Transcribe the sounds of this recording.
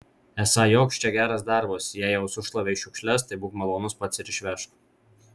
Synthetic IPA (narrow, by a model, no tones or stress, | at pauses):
ɛsɑjoːkʃʲt͡ʃʲɛɡʲæːɾɐsd̪ɑˑɾbosjæːjɛʊsʊʃlˠɐʋʲeːɪʃʲʊkʃʲlʲɛst̪ɐɪbuːpmɐlˠoːnʊspɐt̪sɪɾɪʃʲʋʲɛʃt̪